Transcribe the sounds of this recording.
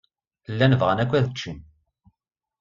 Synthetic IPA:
əlːænəvʁənækʷːæðət͡ʃːin

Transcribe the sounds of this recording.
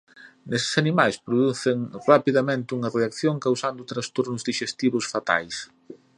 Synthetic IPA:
nesɪ̥sanimajspɾoðuθɪŋrapiðamẽnt̪ɪuŋɐreakθjoŋkawsand̪ʊt̪ɾast̪oɾnʊzd̪iʃest̪iβʊsfat̪a̰js

